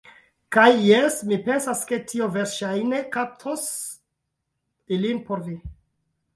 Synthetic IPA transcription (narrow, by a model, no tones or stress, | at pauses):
kajːesmipe̞nsaske̞tʰio̞ve̞ɾʃajne̞kap̚tʰos | ilinpoɾvi